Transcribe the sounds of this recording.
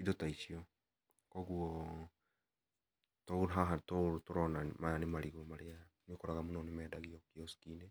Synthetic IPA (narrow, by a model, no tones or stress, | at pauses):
idotait͡ʃiɔ | kɔɣuɔ | tɔɦaɦatotoɾɔnamaanemaɾiɣomaɾeanokoɾaɣamunɔnemɛːdaɣiɔkiɔsi̥kinɛ